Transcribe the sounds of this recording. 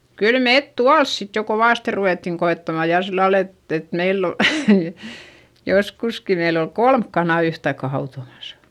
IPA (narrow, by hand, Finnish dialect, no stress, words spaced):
kyl meˑt tuɑls sit jo koʋɑˑste ruʋeˑtːiŋ koetːɑmɑ jɑˑ silːɑl et et meilː ol joskuski meilː ol kolmk kɑnɑˑ yhtɑikːɑ hɑutomɑsɑ̥